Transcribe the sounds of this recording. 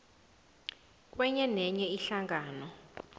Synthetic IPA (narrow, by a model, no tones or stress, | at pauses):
k̬ʼwɛɲɛnɛɲɛiɬaŋaːnɔ